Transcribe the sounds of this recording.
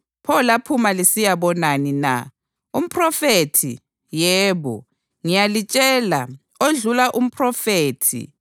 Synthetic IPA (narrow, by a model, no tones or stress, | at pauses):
pʰɔlapʰumalisijaβɔnanina̰ | um̩pʰʼrɔfetʰḭ | jɛːβɔ̰ | ŋijalit͡ʃʼɛla | oɮulaʔum̩pʰʼrɔfeːtʰḭ